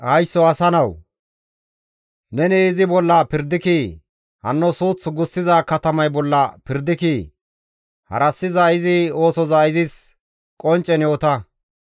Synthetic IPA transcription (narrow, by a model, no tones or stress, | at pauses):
hɐjsːɔɐsɐnɐw | nɛnɛɪzɪbɔlːɐpɪɾd̪ɪki | hɐnːɔsuːt͡sːʊɡʊsːɪzaːkɐt̪ɐmɐjbɔlːɐpɪɾd̪ɪki | hɐ̰ɾɐsːɪzaɪzɪo̞ːsɔzaɪzɪs | kʼɔnt͡ʃʼːɛnjo̞ːt̪ɐ